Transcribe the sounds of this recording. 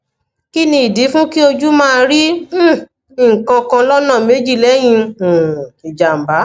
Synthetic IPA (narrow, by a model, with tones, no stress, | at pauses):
ki˦nĩ˧i˨di˨˦fũ˦ki˦o˧d͡ʒu˦mãː˦˧ɾi˦˨ | i˨ŋ̩˨kã˧kã˧lɔ˦nã˦˨me˨˦d͡ʒi˦˨lɛ˨˦j̃ĩ˧ũ˨i˨d͡ʒa˨m̩˨ba˨˦